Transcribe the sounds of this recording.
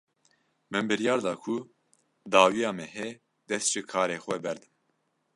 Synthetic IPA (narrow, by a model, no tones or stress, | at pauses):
mɨnbɨɾjɑːɾd̪ɑːkʰu | d̪ɑːwijɑːmɛɦɛ | d̪ɛst̪ʒ̥ɨkʰɑːɾeːxʷɛbɛɾd̪ɨm